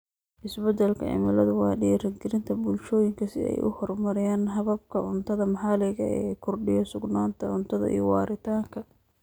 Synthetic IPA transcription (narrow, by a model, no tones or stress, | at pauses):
ʔɪsbɛd̪ɛlkʰɐ̰ʕɪ̰mɪlɐðʊwɑːɗirɐŋɡɪɾɪnt̪ʰɐbʊlʃɔːjɪŋkʰɐsɪ̰ɛ̰jʔʊ̰hɔrmɐɾɪjaːnɦɐβɐb̚kʰɐʊnt̪ʰɐðɐmɐħɑlɪɣɐɛːkʰʊrɖɪjɔsʊɡnaːnt̪ʰɐʊnt̪ʰɐðɐ̰ʔḭjwɑːɾɪt̪ʰaːŋkʰɐ